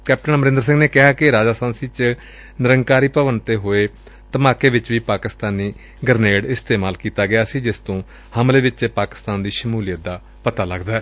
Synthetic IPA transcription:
kɛːp̚ʈənməɾɪnd̪əɾs̬ɪ̃ŋɡneːkɪɦaːkɪɾaːd͡ʒaːst̪ãːnsiːt͡ʃ | nɪɾəŋɡkaːɾiːpəʋənt̪eːɦoːeː | t̪əmaːkeːʋɪt͡ʃʋiːpaːkɪst̪aːniː | ɡəɾneːɽɪst̪eːmaːlkiːt̪aːɡɪjaːsiːd͡ʒɪst̪õː | həmleːʋɪt͡ʃt͡ʃpaːkɪ̥st̪aːnd̪iːʃəmuːlɪjət̪̚d̪aː | pət̪aːləɡd̪aːɛː

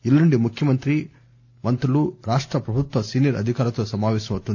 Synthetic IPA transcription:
iluɳɖimukʰjɐmɐnt̪ɾi | mɐnt̪ɐluɾaːʂʈɾɐpɾɐbʱut̪ʋɐsiːnjɐɾɐ̰d̪ʱikaːɾɐt̪oːsɐmaːʋɛːsɐmɐt̪ːund̪

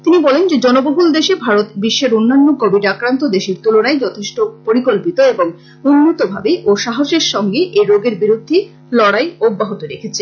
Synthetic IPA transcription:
t̪inibɔlend͡ʑed͡ʑɔnoboɦuld̪eʃebʱaɾot̪biʃːeɾonːanːokobʱiɖakɾant̪od̪eʃiɾt̪uloɽ̃aed͡ʑɔt̪ʰeʃʈopoɾikolpit̪oeboŋ | unːot̪obʱa̰beʔoʃaɦoʃeɾʃɔŋɡeʔeɾoɡeɾbiɾud̪ʱːe | lɔɽajobːaɦot̪oɾekʰet͡ɕʰe

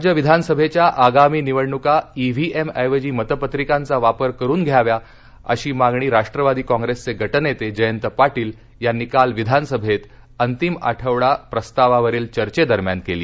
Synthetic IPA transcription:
d͡ʑəʋid̪ʱanəsəbʱet͡ɕjaʔaɡamiːniʋəɽɳukaiʋ̤ʱieməjʋəd͡ʑiːmət̪əpət̪ɾikãnt͡saʋapəɾkəɾuːnɡʱjaʋja | ə̰ɕiːmaɡɳ̃iːɾaʂʈɾəʋad̪iːkɔ̃ŋɡɾest͡seɡʱəʈnet̪ed͡ʑəjənt̪əpaʈiːl | janikalʋid̪ʱanəsəbʱet̪ | ənt̪ima̰ʈʰəʋɭapɾəst̪aʋaʋəɾiːlt͡ɕəɾt͡ɕed̪əɾmjankeliː

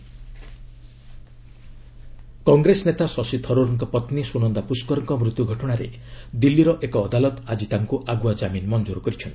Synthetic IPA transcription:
kɔŋɡɾesɔnet̪asɔsit̪ʰɔɾoɾɔŋkɔpɔt̪nisunɔnd̪apuskɔɾɔŋkɔmɾut̪juɡʱɔʈɔɽ̃aɾḛd̪ilːiɾɔʔekɔːd̪alɔt̪ad͡ʒit̪aŋkuʔaɡuad͡ʒaminmɔnd͡ʒuɾɔkɔɾit͡ʃʰɔnt̪i̥

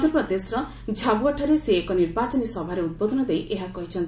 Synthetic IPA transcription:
d̪ɔɾpɔd̪esɾɔ | d͡ʒʱabuɔʈʰaɾeseːkɔniɾbat͡ʃɔnisɔbʱaɾeut̪̚bɔd̪ɔnɔd̪ejʔeɦakɔɦit͡ʃʰɔnt̪i

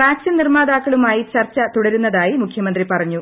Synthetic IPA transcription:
raːksinirmaːd̪aːkːɐɭumaːjit͡ɕɐrt͡ɕːɐt̪uɽɐɾunːɐðaːjimukʰjɐmɐnd̪ripɐrɐɲːu

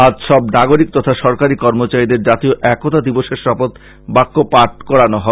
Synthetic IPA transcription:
ad͡ʑʃɔbnaɡoɾik̚t̪ɔt̪ʰaʃɔɾkaɾikɔɾmot͡ɕaid̪eɾd͡ʑat̪ioʔɛkːot̪ad̪iboʃeɾʃɔpot̪ | bakːopaʈ̚kɔɾanoɦɔ

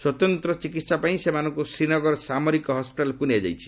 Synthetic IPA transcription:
swɔt̪ɔnt̪ɾɔt͡ʃikit̪sapaĩsemanɔ̃ŋkusɾinɔɡɔɾɔsamɔɾikɔɦɔspiʈalɔkuniad͡ʒa̰jt͡ʃʰi̥

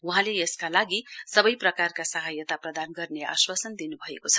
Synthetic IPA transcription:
uɦãleeskalaɡisʌbʌjprʌkarkasʌɦajʌt̪aprʌd̪anɡʌrnea̰swasʌnd̪inubʱʌḛkot͡sʰʌ̥

